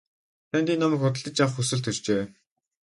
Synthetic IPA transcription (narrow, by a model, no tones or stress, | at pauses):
t̪ʰænt̪iːnːɔmiːkχʊt̪ə̆ɮt̪ə̆t͡ɕjawχxusɘ̆ɮt̪ʰɵɮt͡ɕeː